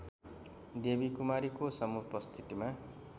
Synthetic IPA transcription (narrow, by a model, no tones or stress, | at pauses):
d̪ebikumaɾikosʌmupʌst̪ʰit̪ima